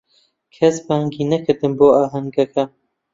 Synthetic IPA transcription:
kʰɐsbaɐŋɡiːnɐkʰɨɾd̪ɨnboːaːɦɐŋɡɐkʰɐ

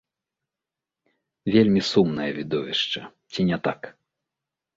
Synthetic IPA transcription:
vʲelʲmʲisumnɐjɐvʲid̪ɔvʲiʂt͡ʂɐ | t͡sʲinʲɛt̪ak

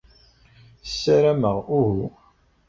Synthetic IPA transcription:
sːæɾæməʁuhu

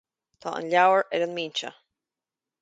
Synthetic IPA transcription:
t̪ʰɔːə̰nlawəɹɛɾənmiːnt͡ʃə̰

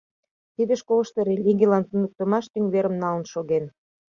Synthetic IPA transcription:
t̪id̪eʃkolə̆ʃt̪ɤɾelʲiɣʲijlɑnt̪ənək̚t̪ə̆mɑʃt̪yŋβeɾəmnɑlə̆nʃoɣen

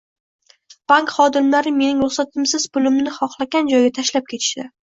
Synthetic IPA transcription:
b̥aŋkχɒd̪ɪmlaɾɪme̞nɪŋɾoχsat̪ʰɪmsɪz̥bʊlɪmnɪχɒχlˠaɡʲand͡ʒɒjɡʲat̪ʰaʃlap̚kʲʰe̞t̪ʰɪ̥ʃd̪ɪ

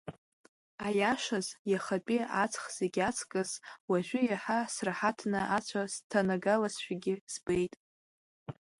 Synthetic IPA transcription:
ajaʂazjaχapʼiat͡sʰʼχz̥eɡʲat͡sʰkʼɨzwaʒʷᶣʏjaħasrħatʰnɨʔat͡ɕʷʰastʰanaɡalasʃʷᶣaɡʲɪsbejtʼ

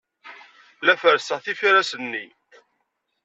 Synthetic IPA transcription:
læfəɾsəʁθifiɾæsənːi

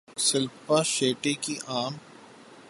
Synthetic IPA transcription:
sɪlpaʃeːʈekiʔaːm

